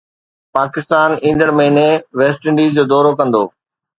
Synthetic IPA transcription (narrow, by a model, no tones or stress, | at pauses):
paːkɪst̪aːnĩːnd̪əɽməɦiɪːneʋeːsʈɪ̃ɳɖiːzd͡ʑoːd̪ɔːɾokɐ̃nd̪oː